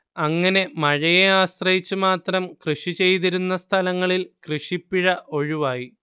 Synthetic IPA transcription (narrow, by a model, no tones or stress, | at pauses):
ɐŋːɐne̞mɐɻɐjeaːɕrɐjit͡ɕːumaːt̪rɐmkrɨʂit͡ɕe̞jt̪iɾunːɐst̪ʰɐlɐŋːɐɭilkrɨʂipːiɻɐʔo̞ɻiʋaːji